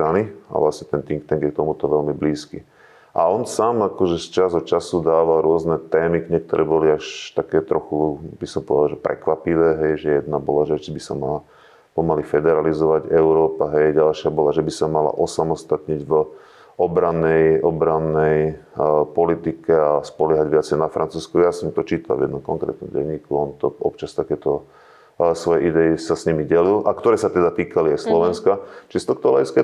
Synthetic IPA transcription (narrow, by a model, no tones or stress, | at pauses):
ɾania̰ʋlasɲɛt̪ɛnt̪iŋkt̪ɛŋɡjɛk̚t̪ɔmut̪ɔʋɛlmibliːskḭ | ʔa̰ɔnsaːmakɔʒɛst͡ʃazɔt͡ʃasud̪aːʋalɾʊɔznɛt̪ɛːmikɲɛk̚t̪ɔɾʔɛbɔliaʃt̪akɛːt̪ɾɔxubisɔmpɔʋɛd̪alʒɛpɾɛ̰kʋapiʋɛːɦɛjʒɛjɛd̪nabɔlaʒɛt͡ʃibisa̰maa | pɔmalifɛd̪ɛɾalizɔʋaɟɛʊɾɔːpaɦɛjɟalʃɪabɔlaʒɛbisamala̰ʔɔsamɔst̪at̪ɲiɟv | ɔbɾanːɛjɔbɾanːɛj | pɔlit̪ikɛaspɔlɪɛɦaɟʋɪat͡sɛjnafɾʔant͡suːskujasɔmt̪ɔt͡ʃiːt̪a̰lvjɛd̪nɔmkɔŋkɾɛ̰ːt̪nɔmɟɛ̰ɲːiːkuɔnt̪ɔɔpt͡ʃast̪akɛːt̪ɔ | sʋɔjɛʔid̪ɛisasɲimiɟɛlilʔakt̪ɔɾɛːsat̪ɛd̪at̪iːkaliajslɔʋɛnskat͡ʃist̪ɔkt̪ɔlɛiskɛ